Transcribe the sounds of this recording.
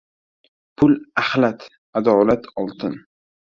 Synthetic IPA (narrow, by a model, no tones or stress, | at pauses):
pʰʊlahlat̪ | ad̪ɒlat̪ʰɒlˠt̪ʰɪn